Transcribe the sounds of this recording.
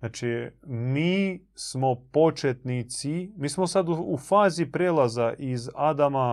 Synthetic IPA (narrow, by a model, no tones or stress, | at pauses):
at͡ʃimiːsmopo̞t͡ʃet̪nit̪simiːsmosad̪ufaːzipɾeːlˠazaʔizad̪ama